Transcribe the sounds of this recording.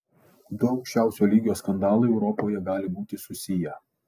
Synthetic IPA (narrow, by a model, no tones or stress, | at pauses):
d̪oʊkʃʲt͡ʃʲæˑʊsʲoːlʲiːɡʲjoːskɐnd̪ɑːlˠɐɛʊɾɔpoːjɛɡɑːlʲɪbuːt̪ʲɪsʊsʲɪjɛ